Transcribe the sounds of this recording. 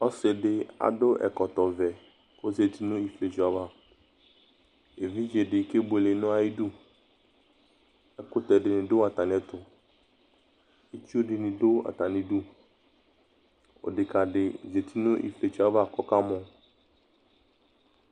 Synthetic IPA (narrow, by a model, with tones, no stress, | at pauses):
ɔ˦sɪ˨ɖɪ˦a̰˨ɖʊ˦ʔɛ̰˨kɔ˨t̪ɔ˨vɛ˨ | ko˦ze˨t̪i˦nʊ̃˦i˨fle˨t͡ʃu˨a˨va˦ | e˨vĩ˦d͡ʒe˨ɖɪ˨ke˦ble˨˦nʊ̃˦a˦ji˦du˦ | ɛ˦kʊ˦t̪ɛ˨ɖɪ˨nɪ̃˨ɖʊ˦a˨t̪a˨nɪ̃˨˦ɛ˦t̪ʊ˨ | e˦t͡ʃi˦o˦ɖɪ˨nɪ̃˨do˦a̰˨t̪a˨nɪ̃˨ɖu˦ | o̰˨ɖɪ˨ka˨ɖɪ˨ze˨t̪ʰi˦nʊ̃˦ʔḭ˨fle˨t͡ʃu˨˦a˦va˦˨kɔ˦ka˦mɔ̃˦